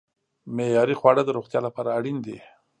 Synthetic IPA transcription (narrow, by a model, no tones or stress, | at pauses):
mejɑɾixwɑɽad̪əɾoɣt̪jɑlapɑɾaːɽind̪e